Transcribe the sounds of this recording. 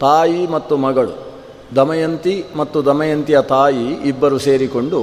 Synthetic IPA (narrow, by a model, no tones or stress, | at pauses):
t̪aːjimɐt̪ːumɐɡɐɭṵ | d̪ɐmɐjɐnt̪imɐt̪ːud̪ɐmɐjɐnt̪ijɐt̪aːjiːbːɐɾuse̞ːɾikoɳɖu